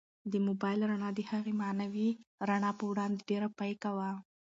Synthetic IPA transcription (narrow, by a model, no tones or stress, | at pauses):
d̪əmobɑjlɾaɳɑd̪əhaɣemanawiɾaɳɑpəwɽɑnd̪eɖeɾapajkawa